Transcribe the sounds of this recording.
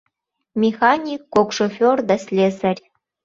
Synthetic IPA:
mʲexɑnʲikːokʃofʲord̪ɑsʲlʲezərʲ

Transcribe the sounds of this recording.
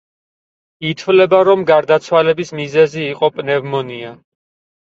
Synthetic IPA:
it̪ʰvlɛbaɾɔmɡaɾd̪at̪sʰwalɛbismizɛziːqʼɔpʼnɛvmɔnia

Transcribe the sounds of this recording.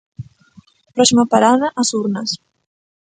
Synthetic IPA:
pɾɔsimɐpaɾaðɐʔasuɾnɐs

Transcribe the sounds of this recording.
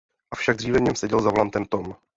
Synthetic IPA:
ʔafʃaɡ̚d̪r̝iːvɛvɲɛmsɛɟɛlzavlant̪ɛmt̪om

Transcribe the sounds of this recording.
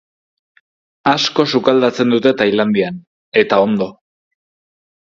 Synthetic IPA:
asko̞sukald̪at͡se̞nd̪ut̪e̞t̪ajland̪ian | e̞t̪ao̞nd̪o̞

